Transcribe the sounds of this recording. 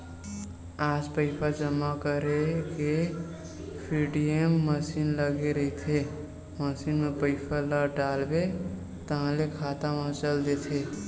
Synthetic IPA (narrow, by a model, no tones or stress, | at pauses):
aːd͡ʒpəɪpʰad͡ʒəmakəɾeke | pʰiɖijemːəsinləɡeɾəɦit̪ʰe | məsinmepəɪpʰalaɖaːlbe | t̪əɦãlekʰaːt̪amə̃t͡ʃəld̪et̪ʰe